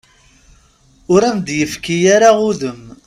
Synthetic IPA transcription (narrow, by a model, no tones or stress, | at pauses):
ʊɾæmd̪jəfkijaɾaʊðəm